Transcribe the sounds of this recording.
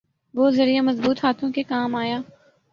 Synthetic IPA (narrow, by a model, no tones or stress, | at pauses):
ʋoːzɐɾijamɐzbuːt̪ɦaːt̪ʰõkekaːmaːjaː